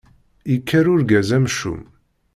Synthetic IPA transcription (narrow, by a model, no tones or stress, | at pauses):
ikʰːæɾʊɾɡæzæmʃṵm